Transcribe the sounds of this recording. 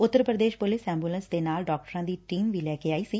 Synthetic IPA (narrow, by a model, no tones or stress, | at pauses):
ʊt̪ːəɾpɾəd̪eːʃpʊlɪsɛ̃ːmbuːlənsd̪eːnaːlɖɔːk̚ʈəɾãːd̪iːʈiːmʋiːlɛːkeːaːiːsiː